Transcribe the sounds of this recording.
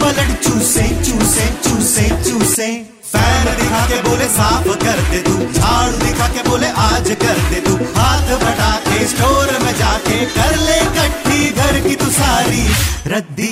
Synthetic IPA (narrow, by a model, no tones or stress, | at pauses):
bɐləɽt͡ʃuːsẽt͡ʃuːsẽt͡ʃuːsẽt͡ʃuːsẽː | pɛːnd̪ekʰaːk̪eboːlesaːpʰkɐɾd̪eːt̪ũd͡ʒʱaːɽ̃ũd̪eːkʰaːkeboːleʔaːd͡ʒkɐɾd̪eːt̪ũkʰaːt̪bɐɽaːkesʈoːɾmẽːd͡ʒaːkekɐɾlekɐʈʰːiːɡ̪ʱɐɾkit̪ũsaːɾiːɾɐd̪i